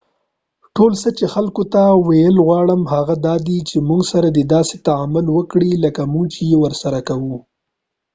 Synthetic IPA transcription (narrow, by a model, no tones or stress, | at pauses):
ʈolsət͡ʃexalkot̪awajəlɣwɑɽəmhaɣad̪ɑd̪it͡ʃemuŋɡsaɾad̪ed̪ɑset̪aamʊlwəkɽiləkamʊŋɡt͡ʃejewəɾsaɾakawu